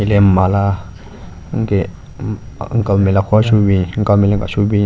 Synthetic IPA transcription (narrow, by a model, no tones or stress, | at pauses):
ilemala | ŋ̩ke | ŋ̩kamɛ̃lakɔsubĩŋ̩kamɛlẽŋka̰subĩ